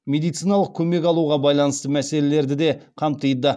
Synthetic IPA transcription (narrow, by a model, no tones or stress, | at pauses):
mʲe̞d̪ijt̪sijnɑlˠəq̚kʲʰɵme̞k̬ʲɑlˠuʁɑbɑjlˠɑnəst̪əmæse̞le̞le̞ɾd̪ɪd̪e̞qʰɑmt̪ijd̪ə